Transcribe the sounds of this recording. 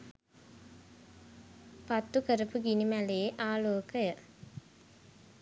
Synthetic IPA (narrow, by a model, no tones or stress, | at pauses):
pat̪ːukəɾəpuɡinimæleːʔaːloːkəjə